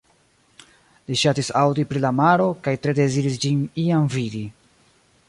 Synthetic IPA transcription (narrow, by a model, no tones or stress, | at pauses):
liʃatisawdipɾilamaɾo̞kajtɾe̞de̞ziɾisd͡ʒiniamvidi